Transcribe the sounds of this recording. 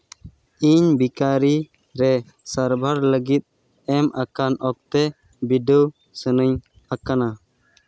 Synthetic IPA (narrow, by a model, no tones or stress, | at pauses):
iɲbikaɾi | ɾɛ | saɾbʱaɾləɡit̪̚ | ɛmʔakanʔɔk̚t̪ɛ | biɖə | sənəɲ | akana